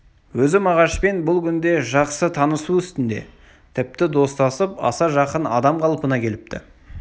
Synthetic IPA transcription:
wɵzɪmɑʁɑʃpe̞nbʊlˠkʲʰʏnd̪e̞ʒɑqsət̪ʰɑnəsuʏst̪ɪnd̪e̞̰ | t̪ʰɪp̚t̪ɪd̪o̞st̪ɑsəpɑ̰sɑʒɑqənɑ̰d̪ɑmqʰɑlˠəpənɑkʲʰe̞lɪp̚t̪ɪ̰

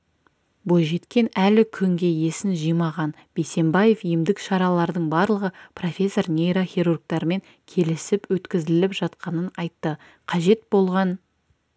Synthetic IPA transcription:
bojʒe̞t̪kʲe̞nælɪkʲʰʏŋɡʲe̞je̞sɪnʒijmɑʁɑn | b̥e̞se̞mbɑje̞fijɪmd̪ɪkʃɑɾɑlˠɑɾd̪əɴbɑɾlˠəʁəpro̞fʲe̞sːo̞rnʲe̞jɾaχʲeɾurɡ̚t̪ɑɾme̞ŋ | kʲʰe̞lɪsɪpwɵt̪kʲɪzɪlɪpʒ̥ɑt̪qɑnənɑjt̪ːə | qʰɑʒe̞t̪bo̞lˠʁɑn

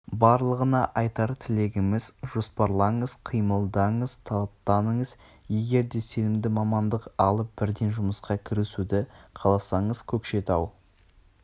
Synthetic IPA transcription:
bɑɾlˠəʁənɑʔɑjt̪ɑɾt̪ʰɪle̞ɡʲɪmɪzʒo̞spɑɾlˠɑɴəzqʰijməlˠd̪ɑɴəzt̪ʰɑlˠɑp̚t̪ɑnəɴəz | je̞ɡʲe̞ɾd̪e̞se̞nɪmd̪ɪmɑmɑnd̪əqɑlˠəp̚b̥ɪɾd̪e̞nʒʊməsqɑkʲʰɪɾesud̪ɪqʰɑlˠɑsɑɴəz̥kʲʰɵkʃe̞t̪ɑw

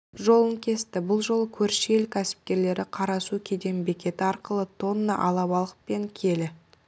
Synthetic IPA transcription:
ʒo̞lˠəŋkʲʰe̞st̪ɪbʊlˠʒo̞lˠəkʲʰɵɾʃɪelkʲʰæsɪ̥p̚kʲe̞ɾle̞ɾɪqʰɑɾɑsukʲʰe̞d̪e̞mbe̞kʲe̞t̪ɪɑɾqəlˠət̪ʰo̞nːɑʔɑlˠɑβɑlˠəpe̞ŋkʲʰe̞lɪ

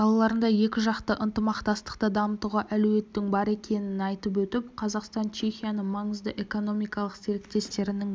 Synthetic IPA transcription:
ɑlˠɑlˠɑɾənd̪ɑje̞kʲɪʒɑqt̪əʔənt̪əmɑqt̪ɑst̪ə̥qt̪əd̪ɑmət̪uʁɑʔælʉwe̞t̪ːɪŋbɑɾe̞kʲʰe̞nɪnɑjt̪əp̬wɵt̪ɪpqʰɑzɑqst̪ɑnt͡ʃʰe̞xʲijanəɴmɑɴəzd̪əʔe̞ko̞no̞mijkɑlˠəqse̞ɾekt̪e̞st̪e̞ɾɪnɪŋ

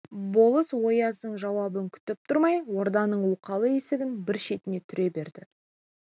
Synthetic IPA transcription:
bo̞lˠəswo̞jɑzd̪əɴʒɑwɑbəŋkʲʰʏ̥t̪ɪp̚t̪ʰʊɾmɑjwo̞ɾd̪ɑnəɴwuqɑlˠəe̞sɪɡʲɪnbɪɾʃe̞t̪ɪne̞t̪ʰʏɾe̞be̞ɾd̪ɪ

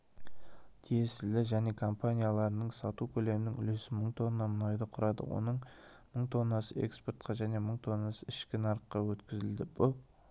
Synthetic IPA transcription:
kʲʰiesɪlɪʒæne̞kʰo̞mpanijalˠɑɾənəɴsɑt̪ukʲʰɵle̞mɪnɪŋʏ̰le̞sɪməɴt̪ʰo̞nːɑmʊnɑjd̪əqʰʊɾɑd̪ə̰wʔo̞̰nəɴ | məɴt̪ʰo̞nːɑsəe̞̰ksport̪̚qʰɑʒæne̞məɴt̪ʰo̞nːɑsəɪʃkʲɪnɑɾqːɑwɵt̪kʲɪzɪld̪ɪb̥ʊlˠ

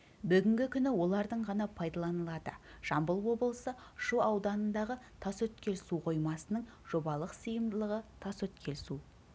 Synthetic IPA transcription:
bʏɡʲɪŋɡʲɪkʲʰʏnɪwo̞lˠɑɾd̪əɴʁɑnɑpʰɑjd̪ɑlˠɑnəlˠɑd̪əʒ̥ɑmbəlˠwo̞bəlˠəsə | ʃuɑwd̪ɑnənd̪ɑʁət̪ʰɑsɵt̪kʲʰe̞lsuqʰo̞jmɑsənəɴ | ʒ̥o̞bɑlˠəqsəjəmd̪əlˠəʁət̪ʰɑsɵt̪kʲʰe̞lsu

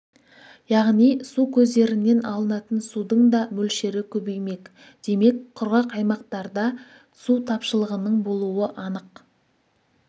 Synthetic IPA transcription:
jɑʁnijsukʲʰɵzd̪e̞ɾɪnːe̞nɑlˠənɑt̪ənsud̪əɴd̪ɑmɵlʃe̞ɾɪkʲʰɵbejme̞k | d̪̥e̞me̞kqʰʊɾʁɑqɑjmɑqt̪ɑɾd̪ɑ | sut̪ʰɑpʃəlˠəʁənəɴbo̞lˠuəʔɑnəq

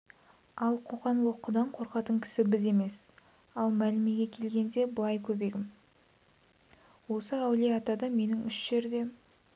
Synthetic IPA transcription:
ɑlˠqʰoqɑnwˠo̞qːəd̪ɑɴqʰo̞ɾqɑt̪əɴkʲʰɪ̥sɪbɪze̞me̞s | ɑlˠmælɪme̞ɡʲe̞kʲʰe̞lɡʲe̞nd̪e̞bəlˠɑjkʲʰɵbe̞ɡʲɪm | wo̞səæwleɑt̪ɑd̪ɑme̞nɪŋʏʃʒ̥e̞ɾd̪e̞

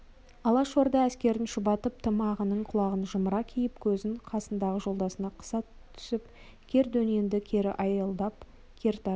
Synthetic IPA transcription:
ɑlˠɑʃoɾd̪ɑæskʲe̞ɾɪnʃʊbɑt̪əp̚t̪ʰəmɑʁənəɴqʰʊlˠɑʁənʒəməɾɑkʲʰijɪp̚kʲʰɵzɪnqʰɑsənd̪ɑʁəʒo̞lˠd̪ɑsənɑqʰə̥sɑt̪ʰːʏ̥sɪp | kʲʰe̞ɾd̪ɵne̞nd̪ɪkʲʰe̞ɾɪʔɑjəlˠd̪ɑp̚ | kʲʰe̞ɾt̪ɑ

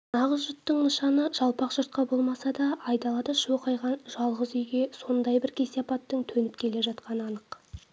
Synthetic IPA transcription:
nɑʁəzʒʊt̪ːəɴməʃɑnəʒ̥ɑlˠpɑqʒ̥ʊɾt̪̚qɑbo̞lˠmɑsɑd̪ɑʔɑjd̪ɑlˠɑd̪ɑʃoqɑjʁɑnʒɑlˠʁəzʏjɡʲe̞so̞nd̪ɑjbɪɾkʲʰe̞sejɑpɑt̪ːəɴt̪ʰɵnɪp̚kʲʰe̞le̞ʒɑt̪qɑnəɑnəq

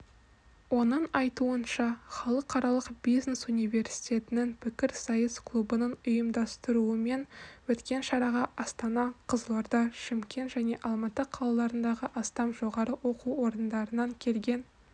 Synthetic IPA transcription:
wo̞nəɴɑjt̪uənʃɑχɑlˠəqʰːɑɾɑlˠəqbijznesunijve̞rsi̥t̪ʲe̞t̪ɪnɪŋpʰɪkʲɪɾsɑjəskʰlˠubənəɴʊjəmd̪ɑst̪əɾuəme̞nwɵt̪kʲe̞nʃɑɾɑʁɑʔɑst̪ɑnɑqʰəzəlˠɑɾd̪ɑʃɪmkʲʰe̞nt̪ʒæne̞ʔɑlˠmɑt̪əqʰɑlˠɑlˠɑɾənd̪ɑʁəʔɑst̪ɑmʒo̞ʁɑɾəwo̞quwo̞ɾənd̪ɑɾənɑŋkʲʰe̞lɡʲe̞n

